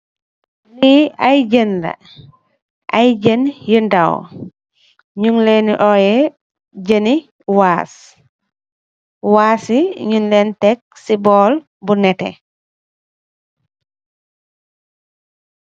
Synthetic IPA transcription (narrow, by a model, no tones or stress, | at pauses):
liajd͡ʒənda̰ | ʔajd͡ʒənjunda̰w | ɲuŋleniʔɔjɛ | d͡ʒəni | waːs | waːsiɲunlɛntɛk̚sibɔːl | bunɛtɛ̰